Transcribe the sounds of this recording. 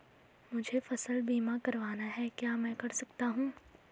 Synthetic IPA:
mʊd͡ʒʱefɐsəlbiːmakɐɾʋaːnaɦɛkjaːmɛ̃ːkɐɾsɐkt̪aɦũː

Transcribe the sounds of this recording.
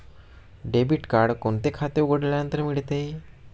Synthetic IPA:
ɖebiʈkaɾɽkoɳt̪ekʰat̪euɡəɽljanənt̪əɾmiɭt̪e

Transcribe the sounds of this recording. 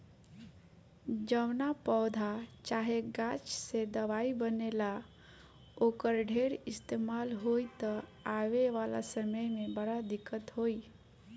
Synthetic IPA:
d͡ʒəʋnapɔːd̪ʱat͡ʃaːɦeɡãt͡ʃsed̪əʋaibənela | oːkəɾɖʱeːɾɪst̪eːmaːlɦoit̪əaʋeʋala̰səməjmẽbəɽad̪ɪkːət̪ɦoːi

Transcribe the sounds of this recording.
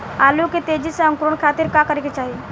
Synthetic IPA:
aːloket̪eːd͡ʒisẽɐ̃ŋkɾoɳ̃kʰaːt̪ɪɾkakəɾeket͡ʃaːɦi

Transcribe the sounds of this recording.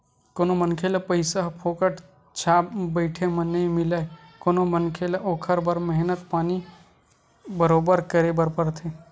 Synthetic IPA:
koːnomənkʰelɐpəɪsaɦpʰoːkəʈ | t͡ʃʰaːbəɪʈʰemənɐĩmɪlaekoːnomənkʰelʔoːkʰəɾbəɾməɦnət̪paːni | bəɾoːbəɾkəɾebəɾpəɾt̪ʰe

